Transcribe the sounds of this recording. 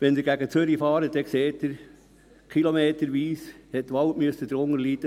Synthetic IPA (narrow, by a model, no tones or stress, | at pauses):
ʋɛndɪɾɡæɡət͡søɾifɑːɾədɛkseːt̚d̪ɪɾ | kχilomeːtəɾʋiːshɛt̚tːʋɑltmyəsəd̥̪əɾʊŋəɾliːd̥̪ə